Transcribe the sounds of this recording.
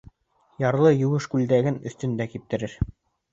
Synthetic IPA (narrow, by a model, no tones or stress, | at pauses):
jɑɾlˠɤjuɤʃkʉld̪æɡɘnɵ̆θt̪ɵ̆nd̪ækip̚t̪ɘ̆ɾɘɾ